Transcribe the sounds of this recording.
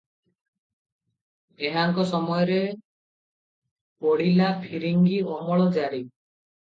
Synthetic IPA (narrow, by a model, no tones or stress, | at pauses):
eɦaŋkɔsɔmɔjɔɾe | poɽilapʰiɾiŋɡiɔmɔɭɔd͡ʒaɾi